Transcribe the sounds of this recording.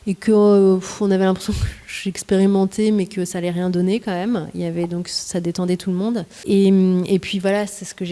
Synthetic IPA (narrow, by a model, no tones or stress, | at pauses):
ekʰəfɔ̃navɛlɛ̃pχe̥sjɔ̃kəʒɥyɛkspeʁimɑ̃t̪ʰemɛkəsaːlɛʁjɛ̃d̪ɔnekɑ̃mɛmiljavɛd̪ɔ̃ksad̪et̪ɑ̃d̪ɛt̪ʰuləmɔ̃d̪ | emepɥivwalasɛsə̥kəʒ